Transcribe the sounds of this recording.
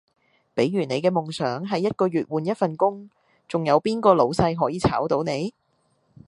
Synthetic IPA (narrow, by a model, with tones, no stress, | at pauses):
pe˨˥jːyː˨˩ne˨˧jkɛː˧mʊ˨ŋsœː˨˥ŋɦɐ˨jːɐ˥t̚kɔː˧ɥyː˨t̚wuː˨˩njɐ˥t̚fɐ˨nkʊ˥ŋ | t͡sʊ˨ŋjɐ˨˧wpiː˥nkɔː˧lo˨˧wsɐ˧jɦɔː˨˥jiː˨˧t͡sʰaː˨˥wt̪o˨˥wne˨˧j